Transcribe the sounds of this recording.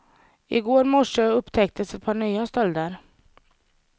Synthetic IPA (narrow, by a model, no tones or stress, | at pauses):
ɪ̰ɡoːɾmɔʂøɵpːt̪ʰɛkt̪ʰəsɛt̪̚pʰɑːɳyːast̪ɔld̪əɾ